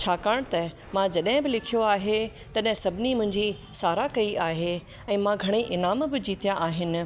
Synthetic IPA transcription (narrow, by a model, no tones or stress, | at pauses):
t͡ɕʰaːkaːɽ̃t̪ɐ | mãd͡ʑɐɗɦɪ̃bɪlɪkʰijoaːɦe | t̪ɐɗɦɪ̃sɐbʱɪnimʊ̃ɦɪ̃ɲd͡ʑi | saːɾakɐiʔaːɦe | ɛ̃ːmãɡʱɐɽ̃iʔɪnaːmbɪd͡ʑiːt̪ijãʔaːɦɪnɪ̆